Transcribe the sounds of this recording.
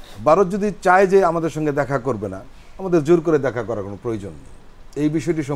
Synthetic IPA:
baɾot̪̚d͡ʑod̪it͡ɕajd͡ʑeamad̪eɾʃɔŋɡed̪ɛkʰakoɾbena̰ | amad̪eɾd͡ʑoɾkoɾed̪ɛkʰakɔɾakonopɾojod͡ʑonːḭ | ejbiʃɔeʈ̬iʃɔ

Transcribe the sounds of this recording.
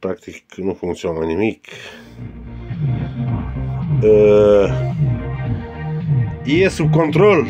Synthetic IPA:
pɾak̚t̪iknufuŋsjoŋanimikʰ | iesubkont̪ɾol

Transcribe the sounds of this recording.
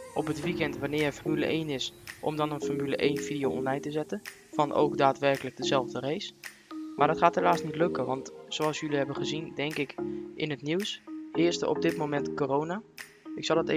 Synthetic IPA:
ɔpətʋikɛntʋanɪːrənfɔmylə̰ʔejnɪsʔɔ̰mdɑnənfɔrmylə̰ʔejnvidijowʔɔ̰nlɛjtəzɛtən | fɑnʔo̰wkdaːtʋɛrkələɡ̚dəzɛlˠvdərejs | maːɹdɑtχaːtɦelaːstnitlɵkəʋɑntsowɑlˠsjɵliɦɛbənχəzindɛŋkɪkʔɪnɦətniwshɪːɹstə̰ʔɔ̰b̚dɪtmowmɛntkorowna | ɪksɑlˠdɑte

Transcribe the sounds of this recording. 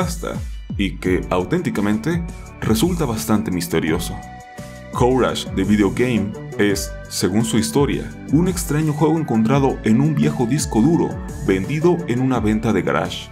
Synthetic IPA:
ast̪a̰ike̞awt̪e̞nt̪ikamẽ̞nt̪e̞ | result̪aβast̪ant̪emist̪e̞ɾjo̞so̞ | kowɾa̰ʃd̪e̞βiðeoɣejm | e̞sː | e̞ɣunsuist̪o̞ɾja̰ | une̞kst̪ɾaɲo̞xwe̞ɣo̞eŋko̞nt̪̬ɾaðo̞ʔe̞numbje̞xo̞ðisko̞ðuɾo̞̰ | be̞nd̪iðo̞enunaβe̞nt̪aðe̞ɣa̰ɾa̰ʃ

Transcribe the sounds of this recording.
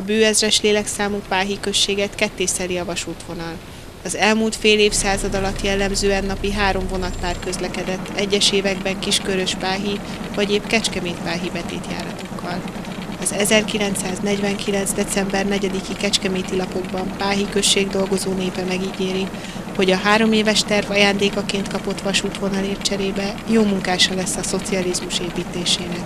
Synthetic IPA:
ɒbøːɛzrɛʃleːlɛksaːmupaːɦikø̞ʃːeːɡɛt̪kɛt̪ːeːsɛliɒvɒʃuːt̪ʋo̞nɒl | ɒzɛlmuːlt̪feːleːfsaːzɒd̪ɒlɒt̪jɛlːɛmzøːɛnːɒpiɦaːɾo̞ɱvo̞nɒt̪paːrkø̞zlɛkɛd̪ɛt̪ːɛɟːɛʃeːvɛɡbɛŋkiʃkøɾø̞ʃpaːɦi | vɒɟeːpkɛt͡ʃkɛmeːt̪̚paːɦibɛt̪ḛːt̪ja̰ːɾɒt̪o̞kʰːɒl | ɒzɛzɛrkilɛnt̪saːznɛɟvɛŋkilɛnzd̪ɛt̪sɛmbɛrnɛɟɛd̪ikikɛt͡ʃkɛmeːt̪ilɒpo̞ɡbɒmpaːɦikø̞ʃːeːɡd̪o̞lɡo̞zoːneːpɛmɛɡiɡeːɾi | ho̞ɟɒɦaːɾo̞meːvɛʃt̪ɛrvɒjaːnd̪eːkɒkeːnt̪kɒpo̞t̪ʋɒʃuːt̪ho̞nɒleːrt͡ʃɛɾeːbɛjoːmuŋkaːʃɒlɛsːɒso̞t̪siɒlizmuʃeːpiːt̪eːʃeːɾɛ

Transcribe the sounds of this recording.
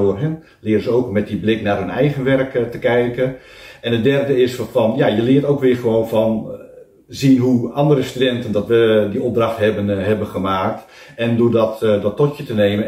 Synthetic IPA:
ʊərɦn | lɪːɾəzəowkmɛt̚diblɪknaːrɦɵnɛjɣənʋɛrktəkɛjkəɛnətdɛrdəɪsfɔnjajəlɪːtowkʋɪːrχəʋoːnfɔn | zinɦuɑndəɾəstydɛntəndɔtʋədiɔp̚draxtɦɛbənɦɛbənχəmaːk̚t | ɛndodɔtdɔtːɔtjətəneːmən

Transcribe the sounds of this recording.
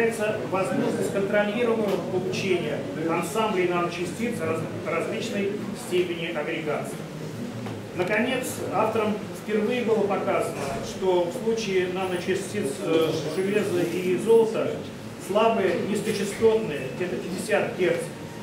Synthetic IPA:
jɪt̪səvɐzmoʐnəsʲkənt̪ɾɐlʲiɾəvənːəvəpəlˠʊt͡ɕenʲɪjə | ɐnsamblʲɪːnanət͡ɕɪsʲtʲit̪s | rɐzʲlʲit͡ɕnəj | sʲtʲepʲɪnʲɪʔɐɡɾʲɪɡa̰t̪sɨj | nəkɐnʲe̞t̪saft̪əɾəm | fpʲɪrvɨjɪbɨlˠəpɐkazənəʂt̪ofslˠut͡ɕɪɪnanət͡ɕɪsʲtʲit̪sʐɨlʲe̞zɨizo̞lˠt̪ə | slˠabɨjənʲɪsk̪ət͡ɕɪst̪o̞t̪nɨjəɡdʲet̪əpʲɪdʲɪsʲat̪kʲert̪

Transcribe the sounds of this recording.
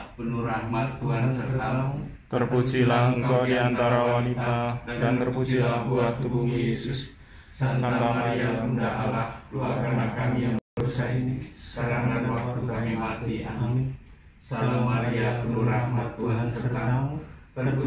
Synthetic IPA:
pənuɾahmat̪ːuɦansərt̪a | t̪ərput͡ʃilaəŋkkadiant̪aɾawanit̪aadadant̪əruut͡ʃiabuat̪ubuŋjesʊs | sant̪amaɾiaundaʔalahkuakanakamijaŋbəursainikaɾananwak̚t̪ukamimat̪ia̰ | salamaɾiapənuɾahmat̪ːuɦansərt̪ak̪əp

